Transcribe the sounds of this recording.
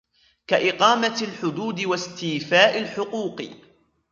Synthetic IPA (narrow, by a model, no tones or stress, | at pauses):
kaʔɪqɑːmalħʊd̪uːd̪ɪwast̪iːfaːʔɪlħʊquːq